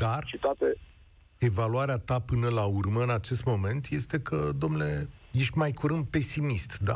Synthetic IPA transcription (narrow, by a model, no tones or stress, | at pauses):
d̪̥art͡ʃit̪at̪e | e̞valuaɾeat̪apɨnəlaurməɨnat͡ʃe̞st̪mo̞me̞nt̪je̞st̪e̞kʰəd̪o̞mnule̞je̞ʃt̪ʲmajkuɾɨnd̪̚pe̞simist̪d̪a